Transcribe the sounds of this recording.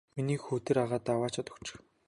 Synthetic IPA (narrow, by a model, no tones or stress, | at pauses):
miniːxuːt̪ĕɾaʁaːt̪awaːt͡ɕʰat̪ɵ̥̆kt͡ɕɪ̥̆x